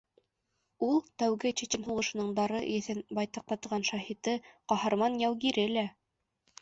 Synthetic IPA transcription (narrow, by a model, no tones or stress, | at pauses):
ulˠt̪æwɡɘt͡ɕɘ̆t̪ʲɘnɦuʁɤ̆ʃɤ̆nɤɴd̪ɑɾɤjɘ̆θɘnbɑjt̪ɑq̚t̪ɑt̪ɤ̆ʁɑnʃɑhit̪ɤqɑhɤ̆ɾmɑnjæwɡiɾɘlæ